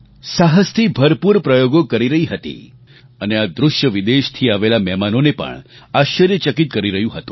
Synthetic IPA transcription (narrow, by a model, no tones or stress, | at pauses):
saɦəst̪ʰibʱəɾpuɾpɾəjoɡokəɾiɾəɦiɦət̪ḭ | ənead̪ɾʊʃjəʋid̪eʃt̪ʰiaʋelamɛmanonepə̰ɳaʃəɾjət͡ʃəkit̪̚kəɾiɾəɦjũɦət̪ũ̥